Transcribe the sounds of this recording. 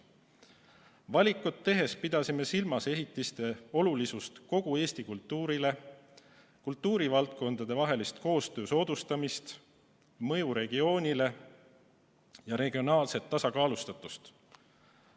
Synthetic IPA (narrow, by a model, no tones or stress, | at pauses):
vɑlʲikːˑut̪ːe̞ɦe̞spid̪̥ɑsime̞silmɑse̞ɦit̪ːˑist̪e̞o̞lulisust̪ko̞ɡ̥ue̞ːsʲt̪ikult̪ˑːuːɾile̞ | kult̪ˑːuːɾivɑlt̪̚ko̞nd̪ɑd̪e̞vɑɦe̞list̪ko̞ːst̪ø̞ːso̞ːd̪̥ust̪ɑmist̪ | mɤ̞juɾe̞ɡ̥io̞ːnʲile̞ | jɑɾe̞ɡ̥io̞nɑːlse̞t̪ːɑsɑkɑːlust̪ɑt̪ːˑu̥st̪